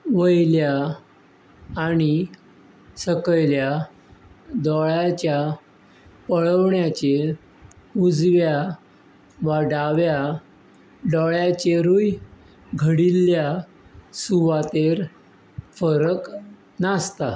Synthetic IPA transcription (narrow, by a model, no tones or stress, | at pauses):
ʋəjlja | ɽ̃i | səkəjlja | d̪ɔɭat͡ɕja | pəɭəʋɳjat͡ɕe | ud͡zʋja | ʋaɖaʋja | ɖɔɭjat͡ɕeɾuj | ɡʱəɽilːja | suʋat̪eɾ | fəɾək | nast̪a